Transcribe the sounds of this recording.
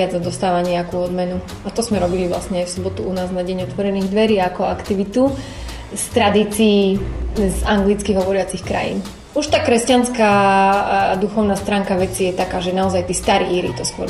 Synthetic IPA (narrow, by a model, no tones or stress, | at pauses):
ad͡z̪ad̪ɔst̪aːʋaɲɛakuːɔd̪mɛnu | at̪ɔzmɛɾɔbiliʋla̰sɲɛajfsɔbɔt̪uunaːznaɟɛɲɔt̪ʋɔɾɛniːɣd̪ʋɛɾiːakɔakt̪iʋit̪u | st̪ɾad̪iːt͡siːzaŋɡlit͡skiːɦɔʋɔɾɪat͡sixkɾa̰jḭn | uʃt̪aːkɾɛscanska | d̪uxɔʊnast̪ɾaːŋkaʋɛt͡sijɛt̪akaːʒɛnaɔzajt̪iːst̪aɾḭiːɾḭt̪ɔskʊɔ̰ɾ